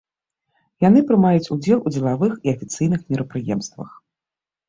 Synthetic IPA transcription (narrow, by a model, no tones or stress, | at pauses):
jan̪ɨpɾɨmajut͡sʲud͡zʲɛlˠud͡zʲɛlˠavɨxiɐfʲit̪sɨjnɨxmʲiɾɐpɾɨjɛmst̪vɐ̰x